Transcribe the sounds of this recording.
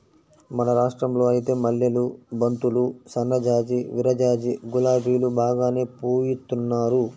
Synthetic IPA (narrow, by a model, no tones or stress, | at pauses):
mɐnɐɾaːʂʈɾɐmlo̞ːɐjit̪e̞ːmɐljɐlubɐnt̪ulusɐnɾɐd͡ʒaːd͡ʒiʋiɾɐd͡ʒaːd͡ʒiɡulaːbʱiːlubaːɡaːne̞ːpuːjit̪ːunːaːɾu